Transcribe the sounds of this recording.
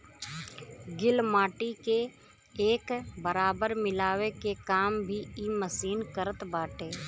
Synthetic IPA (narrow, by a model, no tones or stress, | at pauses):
ɡɪlmaːʈike | eːkbəɾaːbəɾmɪlaːwekekaːmbʱiiːməsiːnkəɾət̪baːʈeː